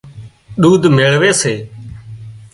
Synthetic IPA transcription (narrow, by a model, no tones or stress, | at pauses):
ɗuːd̪ʱmɪɭʋeːseː